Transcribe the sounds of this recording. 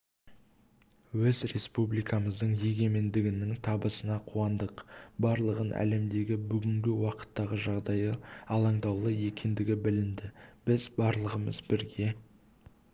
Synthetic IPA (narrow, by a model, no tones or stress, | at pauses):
wɵzɾe̞spublijkɑməzd̪əɴje̞ɡʲe̞me̞nd̪ɪɡʲɪnɪŋt̪ʰɑbəsənɑqʰuɑnd̪əqbɑɾlˠəʁənʔæ̰le̞md̪e̞ɡʲɪbʏɡʲɪŋɡʲɪwɑqə̥t̪ːɑʁəʒɑʁd̪ɑjəɑlˠɑɴd̪ɑwlˠəje̞kʲe̞nd̪ɪɡʲɪbɪlɪnd̪ɪb̥ɪzbɑɾlˠəʁəməzbɪɾɡʲe̞